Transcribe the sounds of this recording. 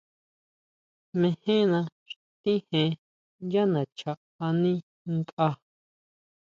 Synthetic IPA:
mẽ˧hẽ˦nã˧ʃ | t̪ĩ˦hẽ˧ | ja˦nã˨t͡ʃʰa˨ | a˧nĩ˦ | ŋk̪ʔa˧

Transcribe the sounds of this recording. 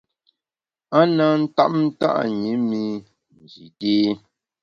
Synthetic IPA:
a˦nə˦n̩˦ta̰˦ʔ̚n̩˦ta̰˦ʔɲi˨˦mi˦ | n˨d͡ʒi˨teː˦

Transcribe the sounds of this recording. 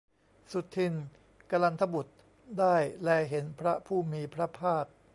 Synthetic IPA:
su˨˩t̪ʰːi˧n | ka˧la˧nt̪ʰa˧bu˨˩t̪̚ | daː˥˩jlɛː˧ɦe˩˦npʰɾa˦˥pʰuː˥˩miː˧pʰɾa˦˥pʰaː˥˩k̚

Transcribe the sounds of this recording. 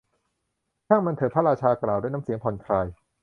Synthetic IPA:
k̪ʰaː˥˩ŋma˧nt̪ʰɤː˨˦pʰa˦˥ɾaː˧t͡ɕʰaː˧klaː˨˩wdu˥˩˨na˦˥si˩˦ŋpʰɔ˨˩nkʰɾaː˧j

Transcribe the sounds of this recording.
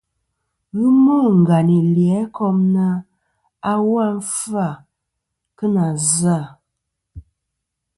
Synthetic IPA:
ɣi˦mo˦˨ŋ̩˨ɡa˨ni˨ljɛ˨˦kɔ˦mna˦ | a˦wa˦n˦fa˦˨ | kə˦na˨za˦˨

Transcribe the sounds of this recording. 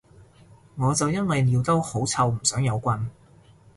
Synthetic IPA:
ŋɔː˨˧t͡sɐ˨wjɐ˥nwɐ˨jliː˨˧wt̪ɐ˥who˨˥wt͡sʰɐ˨˧wm̩˨˩sœː˨˥ŋjɐ˨˧wkʷɐ˧n

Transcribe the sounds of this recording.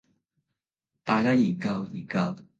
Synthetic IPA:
t̪aː˨˩t͡ɕaː˦˥ji˨˩ka˧wi˨˩ka˧˩

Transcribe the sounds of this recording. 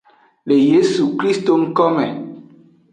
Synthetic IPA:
le˨je˦su˨kɾi˦st̪o˦ŋ̩˦kɔ˦mɛ˨

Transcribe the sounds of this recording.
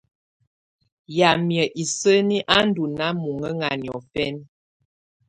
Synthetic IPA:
ja˨mjə˨ʔi˨sə˦ni˦ʔa˦n̩˦du˨na˦mu˨ŋə˦ŋa˨njɔ˨fɛ˦n

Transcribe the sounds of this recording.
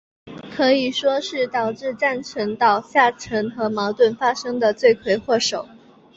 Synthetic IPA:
kʰɤ˧˥i˨˩ʂwɔ˥ʂɻ̩˥˩t̪ɑ˨˩ʊʈ͡ʂɻ̩˥˧ʈ͡ʂa˥˩nʈ͡ʂʰə˧˥ŋt̪ɑ˨˩ʊɕja˥˩ʈ͡ʂʰɤ˧˥ŋxɤ˧˥mɑ˧˥ʊt̪wə˥˩nfa˥ʂɤ˥ŋd̪ə˨t͡swe˥˩ɪkʰwe˧˩ɪxwɔ˥˩ʂo˨˩˦ʊ

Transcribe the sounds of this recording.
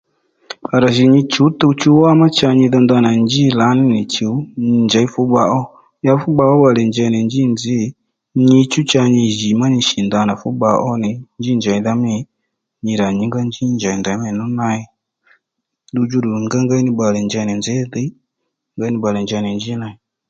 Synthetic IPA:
a˨ɾa˨ʃi˨ɲi˧t͡ʃu˨˦tu˧˦t͡ʃu˦wa˦ma˦t͡ʃa˧ɲi˧ðɔ˧nd̪a˧na˨nd͡ʒi˦˨la˨˦nɪ˦nɪ˨t͡ʃi˨˦ɲ˧˨nd͡ʒa˨˦i˦fu˨˦ɓa˧˨ʔɔ˦ | ja˧˦fu˦ɓa˧ɔ˦ɓa˨lɛ˨nd͡ʒa˧˨nɛ˨nd͡ʒi˦˨nd͡zɪ˦˨˦ | ɲi˧t͡ʃu˦t͡ʃa˧ɲi˧ʒi˨ma˦ɲi˧ʃi˨nda˧na˨fu˨˦ɓa˧ʔɔ˦nɪ˨nd͡ʒi˦nd͡ʒa˨i˧ða˦mi˦ | ɲi˧ɾa˨ɲi˨˦ŋɡa˦nd͡ʒi˦nd͡ʒa˨i˨nda˨˦mɛ˨nu˦na˧i˧ | du˧d͡ʒu˦ɾu˨ŋɡa˦ŋɡa˦i˦nɪ˧ɓa˨lɛ˨nd͡ʒa˧˨nɛ˨nd͡zɛ˨˦ðɛ˦ | ŋɡa˦nɪ˧ɓa˨lɛ˨nd͡ʒa˧˨nɛ˨nd͡ʒi˦na˧˨i˨

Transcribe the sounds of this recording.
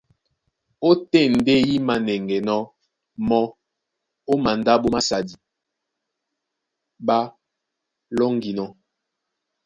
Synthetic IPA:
o˦tɛ˦˨n̩˨de˦ji˦ma˨nɛ˨ŋɡɛ˨nɔ˦ | mɔ˦ | o˦ma˨nda˦ɓo˦ma˦sa˨di˨ | ba˦ | lɔ˦ŋɡi˨nɔ˦

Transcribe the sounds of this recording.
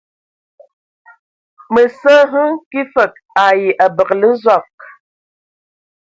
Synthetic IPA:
mə˨sə˦ɦɨ˦ŋki˦fə˨k̚ | a˨ji˨ʔa˨bə˨klə˦zɔ˨k̚

